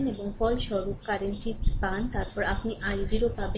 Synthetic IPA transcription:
neboŋfɔlʃɔɾukkaɾenʈipant̪aɾpɔɾapniʔajd̪iɾop̪abe

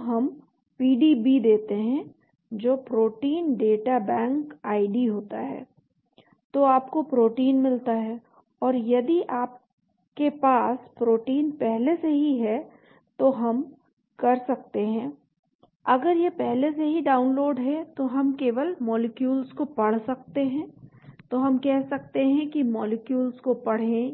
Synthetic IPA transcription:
ɦɐm | piːɖibid̪eːt̪eɦɛ̃ | d͡ʒoːpɾoːʈiːnɖeːʈabɛ̃ːŋkaːɪɖiɦoːt̪aɦɛ̰ː | t̪oaːpkopɾoːʈiːnmɪlt̪aɦɛː | ɔːɾjɐd̪iʔaːp̚ | kepaːspɾoːʈiːnpɛɦleseɦiɦɛ | t̪oɦɐm | kɐɾsɐk̚t̪eɦɛ̃ː | ɐɡəɾjepɛɦleseɦiɖaːʊnloːɖɦɛt̪oɦɐmkeːʋəlmɔːlɪkjuːlzkopɐɽ̤sɐk̚t̪eɦɛ̃ːt̪oɦɐmkɛɦsɐk̚t̪eɦɛ̃kimɔːlɪkjuːlzkopɐɽ̤ẽ

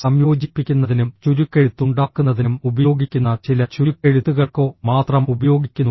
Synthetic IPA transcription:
sɐmjo̞ːd͡ʑipːikʲːunːɐðinumt͡ɕuɾukːeɻut̪ːuɳɖaːkːunːɐðinumubɐjo̞ːɡikʲːunːɐt͡ɕilɐt͡ɕuɾukːeɻut̪ːuɣɐɭko̞ːmaːt̪rɐmubɐjo̞ːɡikʲːunː

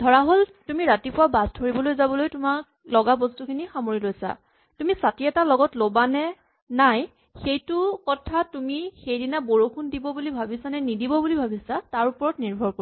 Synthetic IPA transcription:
dʱɔɹaɦoltumiɹatipʊwabastʰoɹibɔlojzabɔlojtʊmak | lɔɡabɔstukʰinixamoɹilojsa̰ | tumisatiɛtalɔɡɔtlobanɛ | naj | xejtʊkɔtʰatumixejdinaboɹokʰundibɔbulibʱabisanɛnidibɔbulibʱabisataɹupɔɹɔtniɹbʱɔɹko

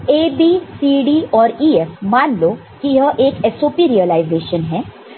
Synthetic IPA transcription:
eːbiːsiːɖiːɔːɾiːɛfmaːnloː | kijɦəʔeːkɛsoːpiɾiəlaɪzeːʃənɦɛ̃ː

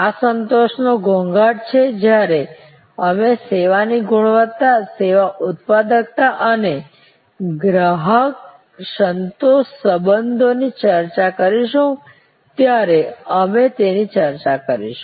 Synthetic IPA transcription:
asənt̪oʃnoɡʱõŋɡaɽt͡ʃʰed͡ʒjaɾe | əmeseʋaniɡʱuɭʋət̪ːaseʋaʔʊt̪̚pad̪əkt̪aʔəne | ɡɾəɦək̚ | sənt̪oʃsəbənd̪ʱonit͡ʃəɾt͡ʃakəɾiʃũ | t̪jaɾeəmet̪enit͡ʃəɾt͡ʃakəɾḭʃũ̥

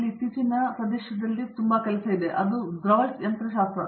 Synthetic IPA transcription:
lit̪ːit͡ɕinːɐpɾɐd̪eɕjɐd̪ɐlːit̪umbɐkɐlɐsɐid̪eʔɐd̪ud̪ɾɐʋɐlsɐnt̪ɾɐʃaːst̪ɾɐ

